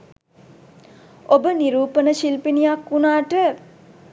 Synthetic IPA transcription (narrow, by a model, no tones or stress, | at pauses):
obəniɾuːpənəʃilpinijakːunaːʈə